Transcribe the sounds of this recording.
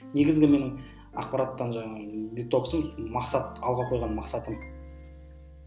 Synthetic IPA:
ne̞ɡʲɪzɡʲɪme̞nɪŋ | ɑ̰q̚pɑɾat̪ːɑnʒɑd̪it̪ːo̞psəmmɑqsɑt̪ɑlˠʁɑqʰo̞jʁɑnmɑqsɑt̪əm

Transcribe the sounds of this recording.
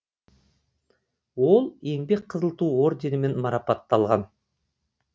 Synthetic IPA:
wo̞lˠe̞ŋbek̚qʰəzəlˠt̪uːo̞ɾd̪ʲenɪme̞nmɑɾɑpɑt̪ːɑlˠʁɑn

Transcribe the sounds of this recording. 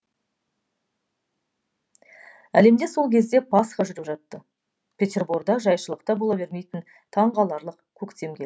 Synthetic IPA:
æ̰le̞md̪e̞so̞lˠkʲʰezd̪e̞pʰɑsχɑʒʏɾɪpʒɑt̪ːə | pʰʲe̞t̪ʲe̞rburɡd̪ɑʒɑjʃəlˠəq̚t̪ɑbolˠɑbe̞ɾme̞jt̪ɪn | t̪ʰɑɴʁɑlˠɑɾlˠəqkʲʰɵkt̪e̞mkʲʰe

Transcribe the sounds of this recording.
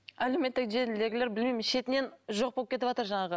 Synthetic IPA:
æle̞me̞t̪ːɪkʒe̞ɾld̪e̞ɡʲɪle̞ɾbɪlmejmɪnʃe̞t̪ɪne̞nʒo̞q̚bolˠpkʲʰe̞t̪ɪpɑt̪əɾʒɑɴɑʁə

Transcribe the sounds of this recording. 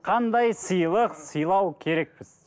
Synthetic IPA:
qʰɑnd̪ɑjsəjlˠəqsəjlˠɑwkʲʰe̞ɾe̞k̚pɪz̥

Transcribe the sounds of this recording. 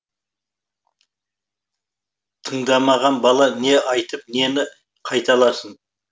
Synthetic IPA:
t̪ʰəɴd̪ɑmɑʁɑnbɑlˠɑne̞ʔɑjt̪əp̚ne̞nɪ | qʰɑjt̪ɑlˠɑsən

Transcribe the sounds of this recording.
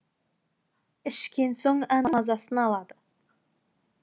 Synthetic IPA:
ɪʃkʲe̞nso̞ɴænmɑzɑsənɑlˠɑd̪ə

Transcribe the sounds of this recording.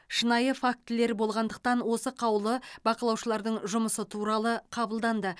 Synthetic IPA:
ʃənɑjəfak̚t̪ɪle̞ɾbo̞lˠʁɑnd̪əq̚t̪ɑnwo̞səqʰɑwlˠəbɑqəlˠɑwʃəlˠɑɾd̪əɴʒʊməsət̪ʰuɾɑlˠəqʰɑbəlˠd̪ɑnd̪ə

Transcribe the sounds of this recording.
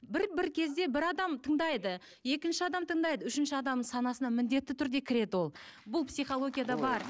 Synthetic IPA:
bɪɾbɪɾkʲʰe̞zd̪e̞bɪɾɑd̪ɑmt̪ʰəɴd̪ɑjd̪ə | je̞kʲɪnʃɪɑd̪ɑmt̪ʰəɴd̪ɑjd̪əʏʃɪnʃɪɑd̪ɑməɴsɑnɑsənɑmɪnd̪e̞t̪ːɪt̪ʰʏɾd̪e̞kʲʰɪɾe̞d̪ɪwo̞lˠbʊlˠpsijχo̞lˠo̞ɡʲijad̪ɑbɑɾ

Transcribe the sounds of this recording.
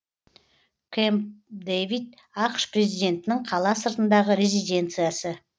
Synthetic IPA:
kʰemd̪evid̪ | ɑqʃpre̞zijd̪ʲe̞nt̪ɪnɪŋqʰɑlˠɑsəɾt̪ənd̪ɑʁəɾe̞zid̪ʲe̞nt̪sɨjasə

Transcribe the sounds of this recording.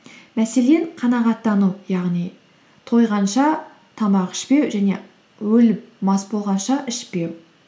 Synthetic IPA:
mæseleɴqʰɑnɑʁɑt̪ːɑnujɑʁnij | t̪ʰo̞jʁɑnʃɑ | t̪ʰɑmɑqɪ̥ʃpe̞wʒæne | wɵlɪp̚mɑsbo̞lˠʁɑnʃɑʔɪʃpe̞w

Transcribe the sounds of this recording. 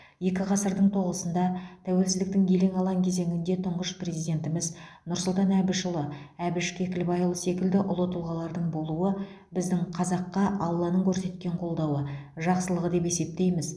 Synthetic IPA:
je̞kʲɪqʰɑsəɾd̪əɴt̪ʰo̞ʁəsənd̪ɑt̪ʰæwe̞lsɪzɪk̚t̪ɪŋe̞le̞ŋɑlˠɑŋkʲʰe̞ze̞ŋɪnd̪e̞t̪ʰʊɴʁəʃpre̞zijd̪e̞nt̪ɪmɪz | nʊɾsʊlˠt̪ɑnæbɪʃəlˠəæbɪʃkʲʰe̞kʲɪlɪbɑjəlˠəse̞kʲɪld̪ɪʔʊlˠət̪əlˠʁɑlˠɑɾd̪əɴbo̞lˠuə | bɪzd̪ɪŋqʰɑzɑqːɑʔɑlˠːɑnəŋkʲʰɵɾse̞t̪̚kʲe̞ɴqʰo̞lˠd̪ɑwə | ʒɑqsəlˠəʁəd̪e̞pe̞se̞p̚t̪e̞jmɪz

